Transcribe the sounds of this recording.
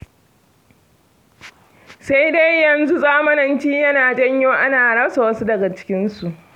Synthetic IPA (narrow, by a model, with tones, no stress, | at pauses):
sa˦jda˦jːɐ˨nzu˦zaː˦mɐ˦nɐ˨nt͡ʃiː˦jɐ˦naː˨d͡ʒɐ˦ɲjoː˦ʔa˦naː˨ɽɐ˦sa˨wɐ˦su˦dɐ˨ɡa˨t͡ʃɪ̥˦kʲɪ˦nsu˨ʔ